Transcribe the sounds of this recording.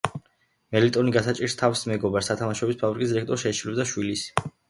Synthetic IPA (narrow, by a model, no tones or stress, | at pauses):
mɛlit̪ʼɔniɡasat͡ʃʼiɾst̪ʰafsmɛɡɔbaɾsat̪ʰamaʃɔbispʰabɾikʼisd̪iɾɛk̚t̪ʼɔɾʃɛʃʰilɛbd̪aʃwilis